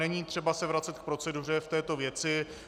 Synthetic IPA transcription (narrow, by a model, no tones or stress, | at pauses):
ɛɲiːt̪r̝̥ɛbasɛvɾat͡sɛt̪̚k̚pɾo̞t͡sɛdur̝ɛft̪ɛːt̪o̞vjɛt͡sɪ